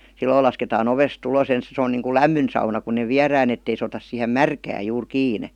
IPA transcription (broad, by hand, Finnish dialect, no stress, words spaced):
silːoil lɑsketɑːn oʋest ulos ens se on niːŋkul læmːyn sɑunɑ kun̆ ne ʋiærˑæːn etːei sĕ otɑs siˑhem mærkæːj juːr kiːne